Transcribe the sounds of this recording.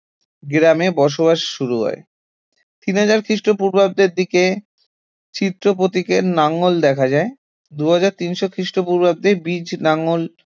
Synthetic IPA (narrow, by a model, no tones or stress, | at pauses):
ɡɾamebɔʃ̬oβaʃʃuɾuɦɔ̰e | t̪inɦad͡ʑaɾkʰɾiʃʈɾopuɾbʱab̚d̪eɾd̪ike | t͡ɕit̪ːɾop̬ot̪ikenaŋold̪ɛkʰad͡ʑae | d̪uɦad͡ʑaɾt̪inʃokʰɾiʃʈopuɾbʱab̚d̪ebid͡ʑnaŋol